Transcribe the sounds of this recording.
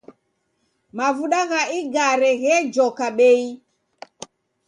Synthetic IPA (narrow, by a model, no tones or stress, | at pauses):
mavuɗaɣaʔiɡaɾɛɣɛd͡ʒɔkaɓɛi